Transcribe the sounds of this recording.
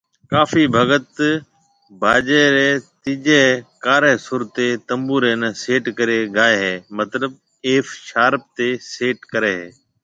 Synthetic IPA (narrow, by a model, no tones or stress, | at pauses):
kaːfiːbʱəɡət̪ | bʱaːd͡ʒeːɾeːt̪iːʄeːkaːɾeːsʊɾt̪eːt̪ə̃mbuːɾeːnəseːʈkəɾeːɡʱaːeːɦeːmət̪ləb | eːfʃaːɾp̚t̪eːseːʈkəɾeːɦeː